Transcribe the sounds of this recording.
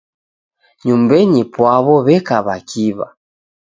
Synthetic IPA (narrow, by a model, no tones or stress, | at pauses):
ɲumbɛɲipwaβɔβɛkaβakʰiβa̰